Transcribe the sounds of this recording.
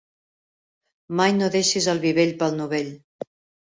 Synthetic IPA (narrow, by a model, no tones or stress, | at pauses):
majnoðeʃizəlˠβiβeʎpəlˠnuβeʎ